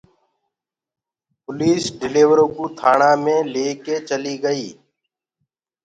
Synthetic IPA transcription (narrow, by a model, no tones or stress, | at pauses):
pʊliːsɖɪleːʋəɾoːkuːt̪ʰaːɳãːmẽːleːkeːt͡ʃəliːɡəiː